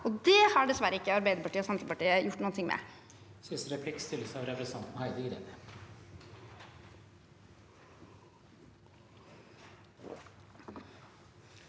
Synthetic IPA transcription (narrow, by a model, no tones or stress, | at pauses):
ɔd̪ɛhɑɖɛsʋæɾəɪkːəɑɾbæɪd̪əɾpɑʈiːəɔsɛmt̪əpɑʈiːəjʊʈːnuːənt̪ɪŋmɛ̰ | sʏnsɾɛpʰlɪkst̪ɪləsəɑʋɾɛfɾɛsɑnt̪nhæɪd̪ɪɡɾɛ̰d̪ə